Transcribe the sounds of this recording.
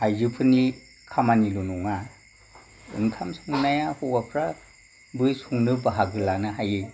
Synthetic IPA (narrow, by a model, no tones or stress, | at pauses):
hajd͡ʒɯpʰɯni | kʰamanilunɔŋa | ɯ̰ŋkʰamsɯŋnajahɔbapʰɾa | bɯjsuŋnɯbaɦaɡɯlanɯɦajɯ